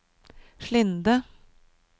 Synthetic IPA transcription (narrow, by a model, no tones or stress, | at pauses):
ʃɭɪnd̪ə